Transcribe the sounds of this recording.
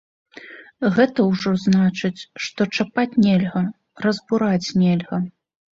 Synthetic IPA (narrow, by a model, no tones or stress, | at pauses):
ɣɛt̪ɐwʐɔznat͡ʂɨt͡sʲʂt̪ɔt͡ʂapat͡sʲnʲɛlʲɣɐ | rɐzbuɾat͡sʲnʲɛlʲɣɐ